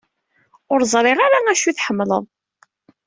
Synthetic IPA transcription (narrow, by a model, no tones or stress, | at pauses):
ʊɾzˤɾˤeʁaɾaæʃuθħəmːlə̰ðˤ